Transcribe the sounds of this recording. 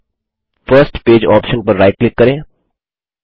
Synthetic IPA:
fəɾsʈpeːd͡ʒɔ̰ːpʃə̃npəɾːaɪʈ̚klɪkːəɾẽː

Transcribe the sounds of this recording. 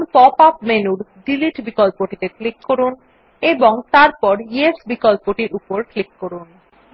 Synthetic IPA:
npɔpapmenuɾɖiliʈbikɔlpoʈit̪eklikːoɾun | eboŋt̪aɾpɔɾiesbikɔlpoʈiɾupoɾklikːoɾun

